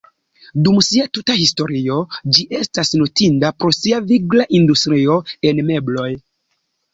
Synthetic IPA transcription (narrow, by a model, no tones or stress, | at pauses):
dumsiatutahisto̞ɾio̞d͡ʒiʔe̞stasnotindapɾo̞siaviɡlaʔindustɾio̞e̞nme̞blo̞j